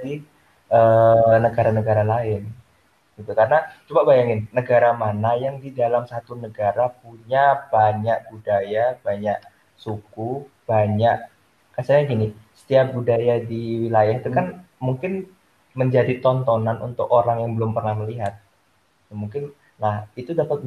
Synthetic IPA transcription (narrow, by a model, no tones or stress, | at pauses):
di | ʔənəɡaɾanəɡaɾalaɪn | ɡ̥it̪ukaɾənat͡ʃubabajaŋɪnːəɡaɾamanajaŋdidalamsat̪unəɡaɾap̚uɲab̥aɲak̚b̥udajab̥aɲaʔ | suku | b̥aɲaʔ | kasaɲaɡinisə̥t̪iap̚budajadiwilajaɦit̪ukan | muŋkɪn | məɲd͡ʒadit̪ɔnt̪ɔnanʔṵnt̪ʊkoɾaŋjaŋbəlʊmpərnahməliɦat̪̚ | t̪muŋkɪn | nahit̪udapat̪̚